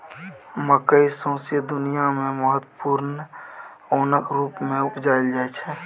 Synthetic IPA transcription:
məkəisõːsəd̪ʊnijamẽməɦət̪wəpuːɾn | oːnəkɾuːpmẽʊpd͡ʒaːɪld͡ʒaːɛt͡ʃʰɛ

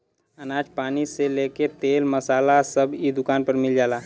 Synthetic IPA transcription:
ənaːd͡ʒpaːniseleːket̪eːlməsaːlasəbid̪ʊkaːnpəɾmɪld͡ʒaːlaː

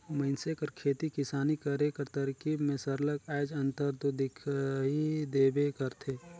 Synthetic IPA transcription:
məɪnsekəɾkʰeːt̪ikɪsaːnikəɾekɐɾt̪əɾkiːbmẽsəɾləkɛːd͡ʒɐ̃nt̪əɾt̪od̪ɪkʰɦid̪eːbekəɾt̪ʰeː

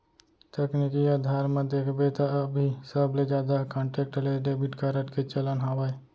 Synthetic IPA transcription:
ʈ̪eknikiaːd̪ʱaːɾmẽd̪eːkʰbet̪abʱisəbled͡ʒaːd̪akɔ̃ːɳʈeːk̚ʈəleɖebɪʈkaɾəʈket͡ʃələnɦaːʋaːe

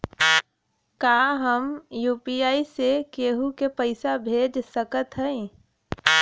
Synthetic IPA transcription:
kaːɦəmjuːpiːaːisekeːɦukepəɪsabʱeːd͡ʒsəkət̪ɦəẽ

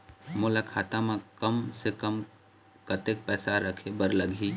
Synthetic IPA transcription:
mʊlakʰaːt̪amãkəmsekəm | kɐt̪ek̚pɛːsaɾəkʰebəɾləɡʱiː

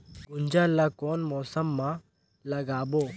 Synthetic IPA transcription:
ɡʊnd͡ʒalːakoːnmɔːsəmːã | lɐɡaːboː

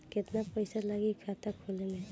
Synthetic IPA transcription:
kɛt̪napɔjsalaɡikʰatakʰulɛna

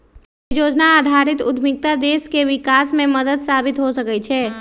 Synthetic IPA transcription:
d͡ʒod͡ʒnaːd̪ʱaɾit̪ud̪ʱmik̚t̪ad̪eskeʋikasmeməd̪əd̪sabit̪ɦosəkɛt͡ʃʰɛ

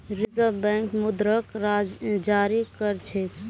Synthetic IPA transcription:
ɾizəbɛ̃ŋkmud̪ɾəkɾad͡ʒd͡ʒaɾikəɾt͡ʃʰɛt̪

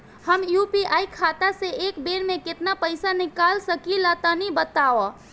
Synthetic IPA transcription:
həmjupiaikʰat̪aseʔekbeɽmẽkɪt̪napəɪsanikalsəkilət̪ənibət̪awɔ

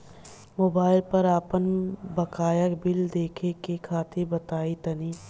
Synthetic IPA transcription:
moːbaːɪlpɐɾaːpənbɐkaːjəkbɪld̪eːkʰekekʰaːt̪ʰebɐt̪aːit̪ɐniː

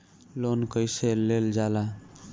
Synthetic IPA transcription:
lonkəjseleld͡ʒala

